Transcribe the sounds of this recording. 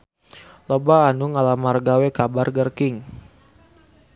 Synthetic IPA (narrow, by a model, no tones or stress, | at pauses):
lobaːnuŋalamarɡawekabarɡərkɪŋ